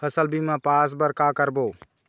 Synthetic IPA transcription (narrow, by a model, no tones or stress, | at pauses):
əsəlbʱimẽpaːs̬bəɾkakəɾboː